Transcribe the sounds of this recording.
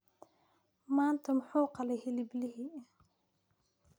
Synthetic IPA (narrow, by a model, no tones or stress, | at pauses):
maːnt̪ʰɐmʊħuːqɑlɛjhɪlɪblɪɦiː